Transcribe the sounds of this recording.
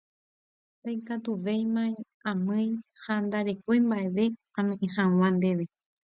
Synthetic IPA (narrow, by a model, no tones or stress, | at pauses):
t̪ajkat̪uʋejmãĩ | ãmɨ̃j̃hand̪aɾe̞kojmbaʔe̞ʋe̞ | ãmẽʔẽhãw̃ãnd̪e̞ʋe̞